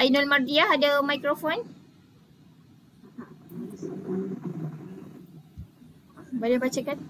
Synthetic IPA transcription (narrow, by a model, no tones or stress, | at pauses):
ainɔlmardiahadamajkɾɔfɔn | badabat͡ʃəkan